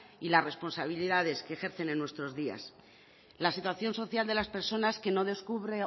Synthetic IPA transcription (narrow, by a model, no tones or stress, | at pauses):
ilazre̞spo̞nsaβ̞iliðað̞e̞ske̞ːxe̞ɾθe̞nenːwest̪ɾo̞zðia̰s | lasit̪waθjo̞nso̞θjald̪e̞laspe̞ɾso̞naske̞no̞ðe̞skuβɾe̞